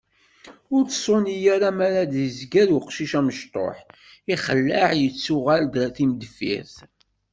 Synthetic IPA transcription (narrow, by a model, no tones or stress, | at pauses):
ʊɾt͡ssˤonijaɾamæɾad̪əzɡæluqʃiʃæməʃt̪ˤo̰ħ | iχəlːəʕjət͡sːʊʁæld̪θimd̪fḭɾθ